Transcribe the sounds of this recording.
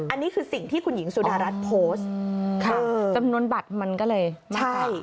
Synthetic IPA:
ʔa˧nːiː˦˥kʰɯː˧si˨˩ŋt̪ʰiː˥˩kʰu˧nji˩˦ŋsu˨˩˦daː˧ɾa˦˥t̪̚pʰoː˦˥skʰaː˥˩˧t͡ɕa˧mnu˧ənba˨˩t̪̚ma˧nkɔː˥˩lɤː˧jmt͡ɕaa˥˩a˦˩j

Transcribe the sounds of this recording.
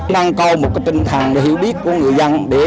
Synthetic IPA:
na˧ŋka˧wmo˨kːət̪ənkʰaː˧ŋlə˧ɦi˧wɗiː˦ku˧ŋɨ˨˩ja˧ŋɗeː˨

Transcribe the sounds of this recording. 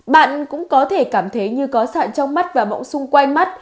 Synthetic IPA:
ɓa̰ː˧˨nkʊ̰˧˥ŋ͡mkɔ˨˦t̪ʰe˧˩kaː˧˩mt̪ʰə˨˦jɲɨ˧kɔ˨˦sa̰ː˧˨nt͡ɕɔ˧wŋ͡mma˦˥t̚vaː˨˩ɓɔ̰˧˨wŋ͡msʊ˧ŋ͡mkwa˧jŋma˦˥t̚

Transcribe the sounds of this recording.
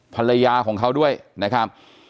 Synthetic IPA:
pʰa˧la˧jaː˧kʰɔː˩˦ŋkʰa˦˥wdu˥˩əjna˦˥kʰɾa˦˥p̚

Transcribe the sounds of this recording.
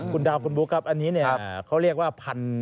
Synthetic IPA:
kʰu˧ndaː˧wkʰu˧nbuː˦˥kʰa˦˥p̚ʔa˧nːiː˦˥ni˥˩˦kʰa˦˥wɾi˥˩ək̚waː˥˩pʰa˧n

